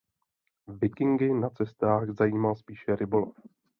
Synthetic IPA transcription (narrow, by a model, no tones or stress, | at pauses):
vɪkɪŋɡɪnat͡sɛst̪aːxzajiːmalspiːʃɛɾɪbolof